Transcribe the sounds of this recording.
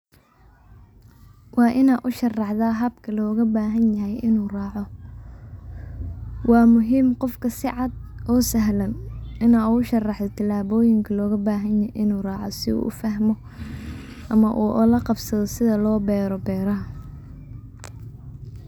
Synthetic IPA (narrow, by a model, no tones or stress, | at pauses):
wɑːʔɪnaːʔʊʃɐrɑħðaːɦɐbkʰɐlɔːɣɐbaːɦɐnjɐɦɛjɪnuːrɑːʕɔ | wɑːmʊɦiːmqɔfkʰɐsɪʕɑd̪ɔːsɐɦlɐnɪnaːʊʃɐrɑħd̪ɔt̪ʰɪlaːβɔːjɪŋkʰɐlɔːɣɐbaːɦɐnjɐʔɪnuːrɑːʕɔ̰sɪṵːʔʊ̰fɐɦmɔ | ʔɐmɐʔuːʔlɐqɑbsɐðɔsɪðɐlɔːbɛːɾɔbɛːɾɐɐ